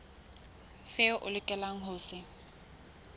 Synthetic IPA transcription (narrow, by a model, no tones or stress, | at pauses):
sɪʔʊlɪkʼɛlaŋ̩ɦʊːsɪ